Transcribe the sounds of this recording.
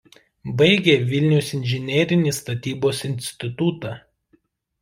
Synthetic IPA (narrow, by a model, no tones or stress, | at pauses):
bɐɪɡʲeːʋʲɪlʲnʲɛʊsɪnʲʒʲɪnʲɛːɾʲɪnʲiːst̪ɐt̪ʲiːboːsɪnʲsʲt̪ʲɪt̪ut̪ɑː